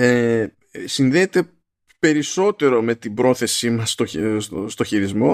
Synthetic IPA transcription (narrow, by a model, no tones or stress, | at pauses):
e | sinðeːt̪e̞ | pe̞ɾiso̞t̪e̞ɾo̞me̞t̪ibɾo̞θe̞simɐst̪ost̪o̞çiɾizmo̞